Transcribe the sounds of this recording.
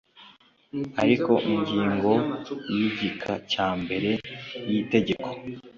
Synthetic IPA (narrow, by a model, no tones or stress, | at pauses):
aɾiko̞ʔiɲɟiːŋɡo̞jiɟikʰa̰caːmbe̞ɾe̞jite̞ɟe̞kʰo̥